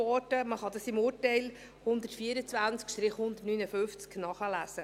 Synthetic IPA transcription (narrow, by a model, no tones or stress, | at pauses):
ɔɾdəməχɑd̪ɑsɪmuːɾtɛɪl | hʊnd̪ətfiəɾət͡svænt͡skʃt̪ɾɪχhʊnd̪ətnynəfʏft͡sknɑχəlæsə